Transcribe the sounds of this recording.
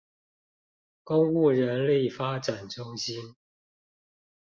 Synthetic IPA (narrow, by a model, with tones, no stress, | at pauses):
kʊ˦ŋu˥˩ɻə˨˦nli˥˨fa˦ʈ͡ʂa˨˩nʈ͡ʂʊ˦ŋɕi˦n